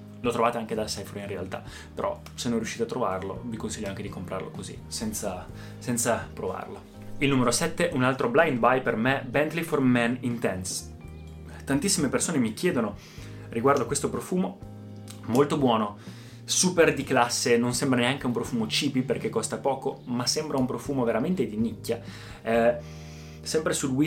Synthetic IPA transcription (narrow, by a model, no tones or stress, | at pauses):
lot̪ɾovaːt̪eaŋked̪asajfoɾĩnrea̰lt̪a̰ | peɾʔɔ̰ | senːonrijuʃiːt̪eat̪ːɾovarlo̰vikonsiʎːoaŋk̟ed̪ikompɾʔa̰rlo̰kozḭsɛnt̪sa | sɛnt̪sapɾova̰rlo | ilnumeɾosɛt̪ːeunalt̪ɾoblajnd̪bajpermebɛnt̪liformɛnint̪ɛns | t̪ant̪isːimepersoːnemikjɛːd̪ono | rʔiɡward̪oakwest̪opɾofuːmo | molt̪obwɔːno | suːperd̪iklasːenonsɛmbɾaneaŋk̟eumpɾofuːmot͡ʃiːpiperkekːɔst̪apɔːkomasːɛmbɾaumpɾofuːmoveɾament̪ed̪inikːa | ɛ | sɛmpɾesud̪wi